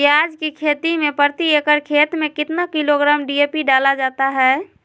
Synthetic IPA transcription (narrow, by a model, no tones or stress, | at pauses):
iad͡ʒkikʰet̪imẽpəɾt̪iekəɾkʰet̪mẽkɪt̪nakiloɡɾaːmɖiepiɖalad͡ʒaːt̪aɦɛː